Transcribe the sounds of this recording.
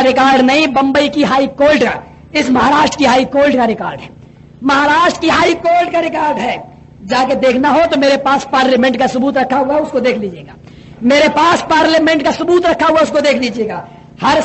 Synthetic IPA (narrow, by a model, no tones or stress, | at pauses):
ɾɪkaːɾɖnɐɦĩbɐ̃mbəikiɦaːikoːlɖka̰ | ɪsmɐɦaɾaːʃʈɾkiɦaːikoːlɖkaɾɪkaːɾɖɦɛː | mɐɦaɾaːʃʈɾəkiɦaːikoːlʈkaɾɪkaːɾɖɦɛː | d͡ʒaːked̪eːkʰnaɦot̪omeːɾepaːspaːɾlemɛ̃ɳʈkasʊbuːt̪ɾɐkʰːaɦʊaʊskod̪eːkʰliːd͡ʒieːɡaː | meːɾepaːspaːɾlamɛ̃ɳʈkasʊbuːt̪ɾɐkʰːaɦuaʊskod̪eːkʰliːd͡ʒieːɡaː | hɐɾ